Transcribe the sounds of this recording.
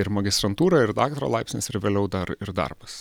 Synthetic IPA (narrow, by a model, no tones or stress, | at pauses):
ɪɾmɐɡʲɪst̪ɾɐnt̪uːɾɐɪɾd̪ɑːkt̪ɾo̰ːlˠɐɪpʲsʲnʲɪ̰sɪɾʋʲeːlʲɛʊd̪ɐɾɪɾd̪ɐ̰rbɐs